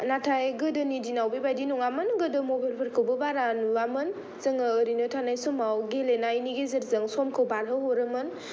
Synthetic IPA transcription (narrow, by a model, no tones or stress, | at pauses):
natʰajɡɯdɯnidinawbibajdinɔŋamɯnɡɯdɯmobalpʰəɾkʰɯwbɯbaɾanuwamɯn | zəŋaːɾinɯtʰanajsomawɡelenajniɡezɐɾzɐŋsɔmkʰɯwbaɾɦɯɦoɾɯmɯn